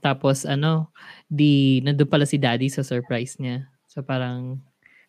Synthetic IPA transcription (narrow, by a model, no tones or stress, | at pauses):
t̪aːposɐno̞d̪inɐnd̪ʊnpɐlasɪd̪aːd̪isɐsɛɹpɹajsɲa | sopaːɾɐŋ